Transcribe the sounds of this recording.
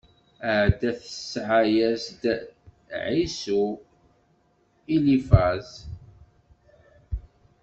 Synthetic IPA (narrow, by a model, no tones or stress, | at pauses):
əʕd̪æθəsːʕajæsd̪ | ʕisu | ilifæz